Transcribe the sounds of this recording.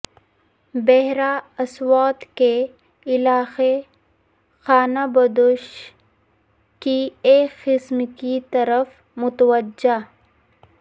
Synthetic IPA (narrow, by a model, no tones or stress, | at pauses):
bɛɦɾaɐswaːt̪ke | ɪlaːxe | xaːnabɐd̪oʃ | kieːkːɪsmkit̪ɐɾəf | mʊt̪wəd͡ʒa